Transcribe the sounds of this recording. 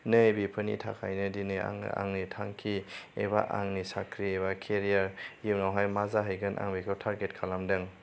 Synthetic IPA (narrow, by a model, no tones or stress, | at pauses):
nɯjbipʰɯnḭtʰa̰kʰa̰jnɯdinɯ̰a̰ŋnitʰaŋkʰiḛba̰ʔaŋnisakʰɾieβakʰeɾijaɾjɯwnawɦajmazaɦɯjɡɯnʔa̰ŋbikʰɯwtʰaɾɡet̚kʰalamdɯŋ